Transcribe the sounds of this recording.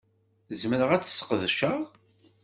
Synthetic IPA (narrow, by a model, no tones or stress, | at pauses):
zməɾəʁæt͡sːsːqðʃæʁ